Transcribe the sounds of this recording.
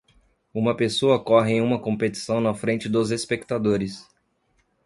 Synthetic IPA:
ũmɐpesoɐokɔɦɪẽj̃ũmɐkõmpet͡ʃi̥sɐ̃w̃nɐfɾẽnt͡ʃɪd̪ozespekt̪ad̪oɾɪs

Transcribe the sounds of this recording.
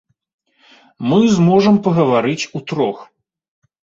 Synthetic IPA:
mɨzmɔʐɐmpɐɣɐvaɾɨt͡sʲut̪ɾɔx

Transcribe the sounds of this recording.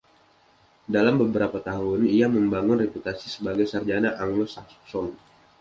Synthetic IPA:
dalambəbəɾapat̪aɦʊniaməmbaŋʊnreput̪asisəbaɡajsard͡ʒanaʔaŋlɔsḁp̚sɔm

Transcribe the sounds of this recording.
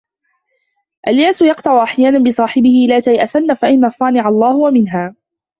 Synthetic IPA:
ʔaljaːsʊjɑqt̪ˤɑʕʊʔaħjaːnanbɪsˤɑːħɪbɪhɪlaːt̪ajʔaθanːafaʔɪnːasˤːɑːnɪʕɑlˤːɑːhʊwamɪnɦaː

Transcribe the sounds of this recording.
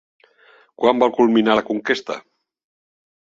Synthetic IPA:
kwambalˠkulminalakuŋkest̪a̰

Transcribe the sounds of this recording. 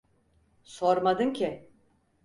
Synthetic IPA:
soɾmad̪ɯncʰɪ

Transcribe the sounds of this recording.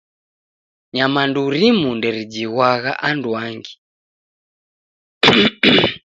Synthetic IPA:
ɲamanduɾimundɛɾid͡ʒiɣwaɣa̰ʔanduaŋɡi

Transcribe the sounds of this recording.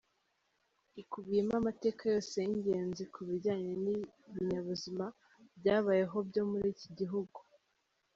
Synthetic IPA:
ikubijemamate̞ːkajo̞ːseiɲɟe̞ːnzikʰuβiɾɟaːɲeniβiɲaβuzima | bɟaːβaje̞ɦo̞bɟo̞muɾiːciɟiɦuɡu

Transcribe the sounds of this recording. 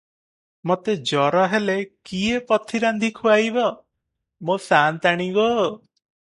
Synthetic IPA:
mot̪ed͡ʒɔɾɔɦelekiepɔt̪ʰiɾand̪ʱikʰuajbɔ | mosant̪aɽ̃iɡɔ

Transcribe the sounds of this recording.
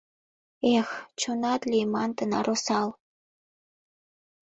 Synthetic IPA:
ext͡ɕonɑt̪lʲijmɑnt̪ənɑ̰ɾʔosɑl

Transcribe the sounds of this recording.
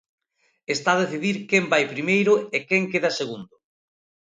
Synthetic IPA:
est̪aðeθiðiɾkembajpɾimejɾʊekɛŋkeðɐseɣund̪ʊ

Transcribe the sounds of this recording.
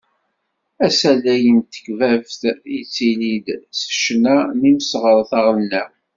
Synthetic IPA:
æsælæjənt̪ə̥kvævθit͡sːilid̪sə̥ʃnæmiməsʁəɾˤθɑʁəlnæ

